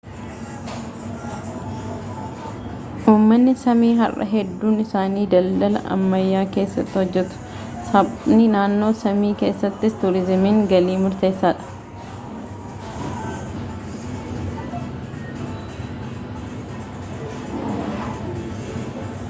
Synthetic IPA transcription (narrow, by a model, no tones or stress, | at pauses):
ʔuːmːɐnːɪsɐmiːɦɐ̰rʔɐ̰ɦɛd̪ːuːnɪsaːniːd̪ɐld̪ɐlɐ̰ʔɐ̰mːɐjːaːke̞ːsːɐt̪ːɪhɔd͡ʒːɛt̪ʊ̥ | sɐbnɪnaːnːo̞ːsɐmiːke̞ːsːɐt̪ːɪst̪uːɾɪzɪmɪŋɡɐliːmʊɾt̪e̞ːsːaːᶑɐ̥